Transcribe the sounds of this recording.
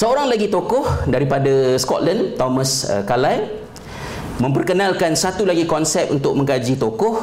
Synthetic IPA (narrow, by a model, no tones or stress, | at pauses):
səoɾaŋlaɡit̪okɔhdaɾipadaskɔ̰t̪lant̪ɔməsə̰kalaj | mə̃mpərkənãlkansat̪ulaɡikɔnsɛp̚ṵnt̪ʊk̚mə̃ŋkad͡ʒit̪okɔh